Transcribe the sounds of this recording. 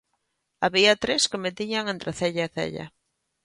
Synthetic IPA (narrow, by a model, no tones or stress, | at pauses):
aβiat̪ɾeskɪmet̪iɲaŋent̪ɾɪθɛʎaeθɛ̰ʎa̰